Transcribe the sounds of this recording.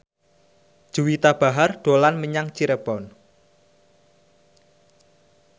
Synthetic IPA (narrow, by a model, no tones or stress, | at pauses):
d̥ʒ̥uwit̪ab̥a̤ɦarɖ̪̥o̤lanməɲaŋt͡ʃiɾəb̥ɔn